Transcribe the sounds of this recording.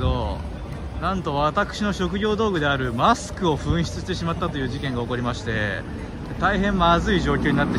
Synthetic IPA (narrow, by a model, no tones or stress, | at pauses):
d̪o̞ | nãnt̪o̞βat̪akɯ̟̥ɕino̞ɕo̞kɯ̟ɡʲo̞ːd̪o̞ːɡɯ̟d̪e̞aɾɯ̟masɨ̥kɯ̟o̞ɸɯ̟̃ɰ̃ɕi̥t͡sɨɕi̥t̪e̞ɕ̬imat̪ːat̪o̞jɯ̟ːʑikẽ̞ŋɡao̞ko̞ɾʲimaɕi̥t̪e̞ | t̪aiɦẽ̞mmazɨiʑo̞ːkʲoːɲinat̪ːe